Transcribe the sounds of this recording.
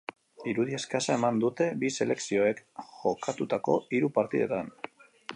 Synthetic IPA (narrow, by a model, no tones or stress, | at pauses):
iɾuð̞ie̞skasae̞mand̪ut̪e̞bise̞le̞ksio̞e̞kʝo̞kat̪ut̪ako̞̰iɾupaɾt̪iðe̞̰t̪an